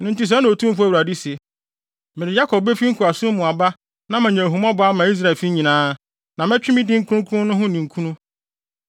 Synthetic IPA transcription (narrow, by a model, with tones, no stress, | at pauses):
nʊ̃˨n̩˦tɪ˦s̬a˨˦nʊ̃˨o˨tʰũ˦m˦fu˦æ˦˨ɾa˨di˦se˨ | mɪ̃˨ɾɪ˨ja˦kʰɔ˨b̚be˦fi˦ŋ̩˦kʰu˨a˨sʊ̃˦mʊ̃˨a˨ba˦ | nã˦mã˨ɲɛ̃˨ɦu˨mɔ̃˦bʊ˨˦a˦mã˨i˦s̬ɾa˦˨lfi˦ɲĩ˨nãː˦ | nã˨mɛ̃˦t͡ɕᶣɪ˦mɪ̃˦dɪ˦ŋ̩˦kʰu˦ũ˦kʰʊ̃˦nʊ̃˦ɦʊ̃˦nĩ˨ŋ̩˨kʰũ˦nũ˦